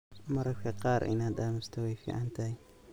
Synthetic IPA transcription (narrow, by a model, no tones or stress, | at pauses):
mɐɾɐɾkʰɐqɑːɾʔɪ̰naːd̪aːmɪst̪ʰɔwɛjfḭːʕɑnt̪ʰɐɦɛ